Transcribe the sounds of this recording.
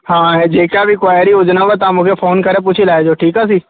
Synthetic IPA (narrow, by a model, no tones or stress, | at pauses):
ɦãːed͡ʒeːkaʋɪkʋaːjɾiʊd͡ʒnaʋət̪amʊkʰefʰoːnkɐɾẽp̬uːt͡ʃʰilaːed͡ʒoːʈʰiːkãs̬iː